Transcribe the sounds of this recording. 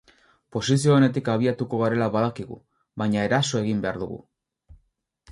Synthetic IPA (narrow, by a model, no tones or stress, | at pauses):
po̞sis̬io̞ːne̞t̪ikaβ̞iat̪uko̞ɣ̞aɾe̞laβaðakiɣṵ | βajɲaeɾaso̞e̞ɣ̞imbe̞aɾðuɣṵ